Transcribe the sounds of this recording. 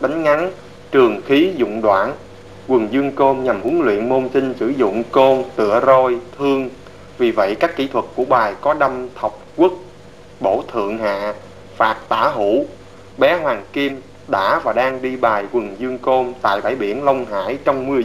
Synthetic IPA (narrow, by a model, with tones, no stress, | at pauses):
ɗa˨˦ŋ̟ŋa˨˦n | t͡ɕɨ˨˩əŋxi˨˦zʊ̰˧˨ŋ͡mɗwaː˧˩n | kwɨ˨˩ŋzɨ˧əŋko˧nɲa˨˩mʔu˨˦ənlwḭ˧˨ənmo˧nsï˧ŋ̟sɨ̰˧˩zʊ̰˧˨ŋ͡mko˧nt̪ɨ̰˧˨əzo˧jt̪ʰɨ˧əŋ | vi˨˩və̰˧˨jkaː˦˥kːi˧˥t̪ʰwə˨˩t̚kːu˧˩əɓaː˨˩jkɔ˨˦ɗa˧mt̪ʰə˨˩wk͡p̚kwʊ˦˥k̚ | ɓo˧˩t̪ʰɨ̰˧˨əŋɦa̰ː˧˨ | faː˨˩t̚t̪aː˧˩ɦṵ˧˩˥ | ɓɛ˨˦ɦwaː˨˩ŋki˧m | ɗa̰ː˧˥vaː˨˩ɗaː˧ŋɗi˧ɓaː˨˩jkwə˨˩ŋzɨ˧əŋko˧mt̪a̰ː˧˨jɓaː˧˩jɓi˧˩ənlə˧wŋ͡mɦa̰ː˧˥˨jt͡ɕɔ˧wŋ͡mmɨ˧ə